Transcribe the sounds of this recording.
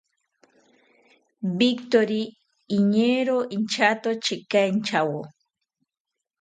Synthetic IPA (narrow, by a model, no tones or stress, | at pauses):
bikt̪oɾiː | ɲeɾoint͡ʃat̪ot͡ʃɪkaint͡ʃawo